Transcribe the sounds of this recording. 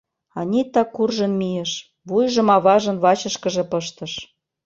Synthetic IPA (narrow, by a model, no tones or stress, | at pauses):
ɑnʲit̪ːɑkurʒə̆nmijeʃ | βujʒɤ̆mɑβɑʒə̆nβɑt͡ɕə̆ʃkə̆ʒĕpɤ̆ʃt̪ɤ̆ʃ